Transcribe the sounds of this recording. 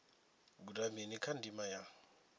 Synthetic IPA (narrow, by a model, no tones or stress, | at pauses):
ɡudaminikʰandimaja